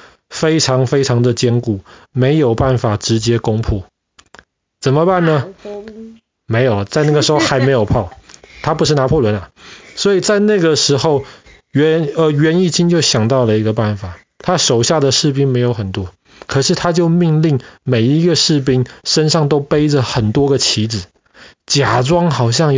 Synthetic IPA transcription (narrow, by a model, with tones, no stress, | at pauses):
fe˥ɪʈ͡ʂʰɑ˧˥ŋfe˥ɪʈ͡ʂʰɑ˧˥ŋd̪ə˨t͡ɕjɛ˥nku˨˩˦me˧˥ɪjo˨˩ʊpa˥˩nfa˨˩ʈ͡ʂɻ̩˧˥t͡ɕjɛ˥ko˥ŋpʰu˥˩ | t͡sə˨˩nmə˦pa˥˩nnə˨ | me˧˥ɪjo˨˩ʊlə˦t͡sa˥˧ɪn˥˩ɡə˩ʂɻ̩˧˥xo˥˧ʊxa˧˥ɪme˧˥ɪjo˨˩ʊpʰɑ˥˩ʊt̪ʰa˥p̬u˧˥ʂɻ̩˥˩na˧˥pʰɔ˥˩lwə˧˦nɐ˨swɔ˧˥i˨˩t͡sa˥˧ɪna˥˩ɡə˩ʂɻ̩˧˥xo˥˧ʊ | ɛ˧˦nə˧ɥɛ˧˦˥ni˥˩t͡ɕi˥nt͡ɕjo˥˩ʊɕjɑ˨˩ŋt̪ɑ˥˩ʊlə˩i˧˥ɡə˧pa˥˩nfa˨˩ | t̪ʰa˦ʂo˨˩ʊɕja˥˩d̪ə˩ʂɻ̩˥˧p̬i˥ŋme˧˥ɪjo˧˥ʊxə˨˩nt̪wɔ˦˥ | kʰɤ˨˩ʂɻ̩˥˩t̪ʰa˥t͡ɕjo˥˧ʊmi˥˧ŋli˥˩ŋme˨˩ɪi˧˦˥ɡə˨ʂɻ̩˥˧p̬i˥ŋʂə˥nʂɑ˥˩ŋt̪o˥ʊpe˥ɪd͡zə˨xə˨˩nt̪wɔ˥ɡə˨t͡ɕʰi˧˥d͡zɹ̩˨˩ | t͡ɕja˨˩ʈ͡ʂwɑ˥ŋxɑ˨˩ʊɕ̬jɑ˥˧ŋ